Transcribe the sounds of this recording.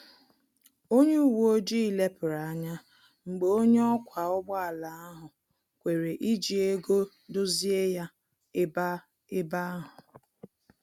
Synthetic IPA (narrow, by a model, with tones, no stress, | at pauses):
o˦ɲe˦u˦˨wo˦d͡ʒi˦i˦le˦pɪ˨ɾa˨a˦ɲa˦ | ŋ͡m̩˨ɡ͡be˨o˦ɲe˦ɔ˦kʷʰa˨ɔ˦ɡ͡bɔ˦a˨la˨a˦ɦʊ˨ | kʷe˨ɾe˨ʔi˦d͡ʒi˨e˦ɡo˦ | dʊ˦zi˦e˦ja˦ | ɪ˦ba˦ | ɪ˦ba˦ɦʊ˨